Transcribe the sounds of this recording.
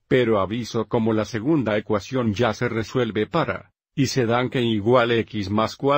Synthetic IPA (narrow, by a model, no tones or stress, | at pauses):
pe̞ɾoaβiso̞ko̞mo̞lase̞ɣund̪aekwasjo̞nd͡ʒase̞re̞swe̞lβe̞paɾa̰ | ise̞ðaŋkeŋiɣwale̞kizmaskwa